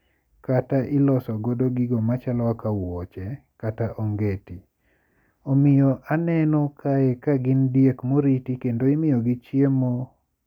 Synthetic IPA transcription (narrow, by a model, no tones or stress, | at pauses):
kataʔɪlɔsɔɡodoɡɪɡɔmat͡ʃalɔakawɔt͡ʃɛ | kataʔoŋɡeti | omɪjɔʔanɛnɔkʰaɛkaɡɪndjekmoɾitikendoɪmɪjɔɡit͡ʃjemo